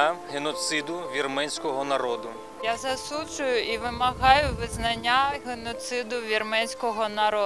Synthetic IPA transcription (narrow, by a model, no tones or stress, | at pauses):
ɦenɔt̪sɪd̪ʊʋʲirmɛnʲsʲkɔɦɔnɐɾɔd̪ʊ | jazɐsud͡ʒʊjʊiʋɪmɐɦɑjʊʋɪznɐnʲːaɦenɔt̪sɪd̪ʊʋʲirmɛnʲsʲkɔɦɔnɐɾɔ